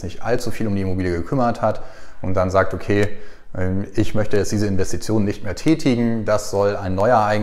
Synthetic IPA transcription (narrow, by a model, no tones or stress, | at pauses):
nɪçtʔa̰lt͡sufiːlʊmdiːɪmobiːljəɡəkʰʏmɐthatʔʊntd̥anzaːk̚tʔokʰeː | ʔɛmɪçmœçtəjɛt͡sd̥iːzəɪnvɛstit͡sjoːnənɪçtmeːɐtʰɛːtʰɪɡŋ̩dasz̥ɔlaɪnːɔʏɐʔaɪ